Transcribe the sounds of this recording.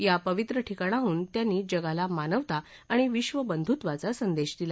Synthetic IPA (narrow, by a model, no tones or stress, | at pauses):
japəʋit̪ɾəʈʰikaɳ̃aɦuːnt̪janːiːd͡ʑəɡalamanəʋt̪a | aɽ̃iʋiɕʋəbənd̪ʱut̪ʋat͡sasənd̪eɕd̪ila